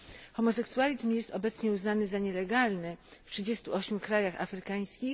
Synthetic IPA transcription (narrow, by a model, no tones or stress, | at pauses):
xɔmɔsɛksualʲizmjɛst̪ɔbɛt̪sɲɛuznanɘzaɲɛlɛɡalnɘftʂɘd͡ʑɛst̪uʔɔɕmʲjukɾajaxa̰fɾɘkaj̃skʲix